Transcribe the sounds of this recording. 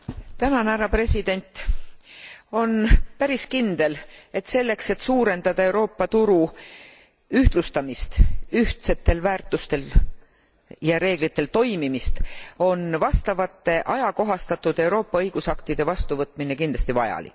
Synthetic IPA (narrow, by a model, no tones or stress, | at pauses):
t̪ænɑnæɾɑpre̞sid̪̥e̞nʲt̪ˑ | o̞npæɾiskind̪̥e̞le̞t̪se̞lːe̞kse̞t̪ːsuːɾe̞nd̪̥ɑd̪̥ɑe̞wɾo̞ːpːɑt̪uɾu | yht̪lust̪ɑmist̪yht̪se̞t̪ːe̞lvæːrt̪ːˑust̪e̞l | jɑɾe̞ːɡ̥lit̪ːe̞lt̪o̞jmimist̪o̞nvɑst̪ɑvɑt̪ːe̞ʔɑjɑko̞ɦɑst̪ɑt̪ːˑud̪̥e̞wɾo̞ːpːɑɤjɡ̥usɑkt̪id̪̥e̞vɑst̪uvɤt̪ːˑminekind̪lɑst̪ivɑjɑ̰lḭk